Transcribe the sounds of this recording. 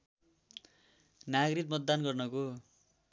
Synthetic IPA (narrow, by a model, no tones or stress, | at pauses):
naɡɾit̪̚mʌt̪̚d̪anɡʌrnʌko